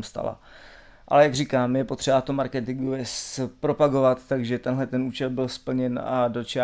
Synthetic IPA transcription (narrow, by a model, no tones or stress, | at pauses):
mst̪a̰la̰ | ʔa̰lɛjaɡrikaːmjɛpot̪r̥ɛbat̪omaɾkɛt̪ɪŋɡovɛspɾo̞paɡo̞vat̪ːaɡʒɛt̪ɛnɦlɛt̪ɛnuːt͡ʃɛlbɪlspl̩ɲɛnadot͡ʃa